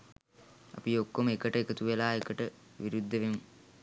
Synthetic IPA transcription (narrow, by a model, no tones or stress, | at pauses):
ɐ̰piokːoməekəʈəekət̪uʋelaːekəʈəʋiɾud̪ʱːəʋemu